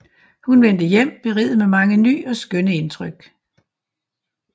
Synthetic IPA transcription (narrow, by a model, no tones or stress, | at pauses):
hunʋen̰d̥əjem̰b̥e̝ʁḭð̩ˠmemɑ̈ŋəny̰ːɒ̽sɡ̥œnəe̝nt͡sʰʁœɡ̥